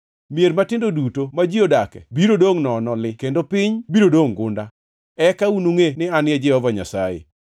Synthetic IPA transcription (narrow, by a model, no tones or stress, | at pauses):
mjeɾmatɪndodutomad͡ʒiodakɛ̰biɾodoŋnɔnɔlɪkendopɪɲbiɾodoŋɡʊ̰nda | ɛkaunuŋenɪanjɛd͡ʒɪhɔvaɲa̰sa̰jḛ